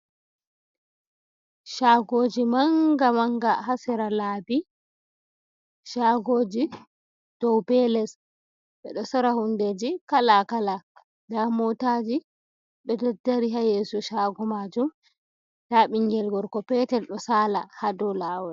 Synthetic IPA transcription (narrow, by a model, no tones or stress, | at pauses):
ʃaɡoːd͡ʒimaŋɡamaŋɡahasɛɾalaːbi | ʃaɡoːd͡ʒi | d̥ɔwbɛlɛs | ɓɛɗɔsaɾahunded͡ʒikalakala | damɔtad͡ʒi | ɓɛdɛdːaɾiɦajesuʃaɡɔmad͡ʒum | daːɓiŋɡɛlɡɔɾkɔpɛtɛlɗɔsaːla̰hadɔlaːwɛ